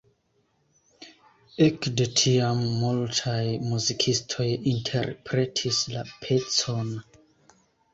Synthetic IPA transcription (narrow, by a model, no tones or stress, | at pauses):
ekdetʰiamːultʰajmuzikʰistʰo̞jintʰerpʰɾetʰislapʰeson